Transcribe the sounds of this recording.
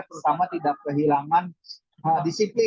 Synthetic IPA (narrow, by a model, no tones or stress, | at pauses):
t̪əɾut̪amat̪idak̚pəɦilaman | adisipli